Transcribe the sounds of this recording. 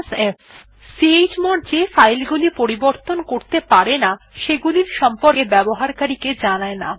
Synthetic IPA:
sef | sied͡ʑmɔɾd͡ʑefajlɡulipoɾiboɾt̪onkoɾt̪epaɾena | ʃeɡuliɾʃɔmpoɾkebɛboɦaɾkaɾiked͡ʑanaena

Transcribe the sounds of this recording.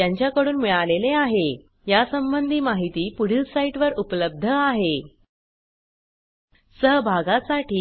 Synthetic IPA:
jaɲt͡ɕjakəɽuːnmiɭaleleaɦe | jasəmbənd̪ʱiːmaɦit̪iːpuɽ̤ilsaiʈʋəɾupləb̚d̪ʱəaɦe | səɦbʱaɡasaʈiː

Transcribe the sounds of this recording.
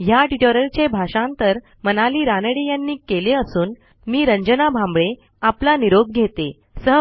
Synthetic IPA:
jaʈiʈoɾəɾt͡ɕebʱaɕãnt̪əɾ | mənaliːɾanəɽejanːiːkeleəsuːn | miːɾəɲd͡ʑənabʱãmbɭe | aplaniɾoɡ̚ɡʱet̪e | səɦ

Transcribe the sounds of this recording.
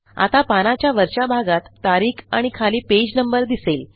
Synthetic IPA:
a̰t̪apanat͡ɕjaʋəɾɕabʱaɡat̪ːaɾiːkʰa̰ɽ̃ikʰaliːped͡ʑnəmbəɾd̪isel

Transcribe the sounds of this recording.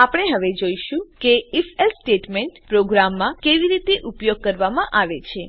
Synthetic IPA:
apəɽ̃eɦəʋed͡ʒoiʃũkeifelsʈeʈmeɳʈpɾoɡɾamːãkeʋiɾit̪eʔupjoɡ̚kəɾʋamãʔaʋet͡ʃʰe

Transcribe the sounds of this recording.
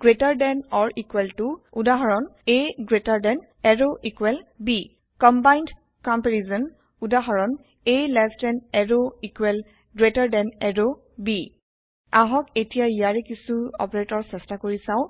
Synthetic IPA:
ɡɹetaɹdɛnɔɹʔikwɛltʊudaɦɔɹɔn | eɡɹetaɹdɛn | ɛɹoʔikwɛlbi | kɔmbajnd | kɔmpɛɹizɔn | udaɦɔɹɔn | elɛftɛnɛɹoikwɛl | ɡɹetaɹdɛnɛɹo | bi | aɦɔketijaijaɹɛkisuɔ̰pɔɹetɔɹsɛstakoɹisãʊ̃

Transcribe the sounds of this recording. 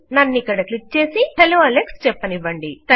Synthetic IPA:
nɐnːikːɐɽɐklik̚t͡ʃe̞ːsiheloːɐlekst͡ʃɛpːɐniʋɐɳɖit̪ɐ

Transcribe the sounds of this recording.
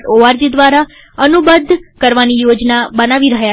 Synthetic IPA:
ʈoaɾd͡ʒid̪ʋaɾa | ənubəd̪ʱkəɾʋanijod͡ʒnabənaʋiɾəɦja

